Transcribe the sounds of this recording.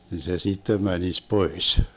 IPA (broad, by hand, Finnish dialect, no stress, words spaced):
ni se sitːem mænis pois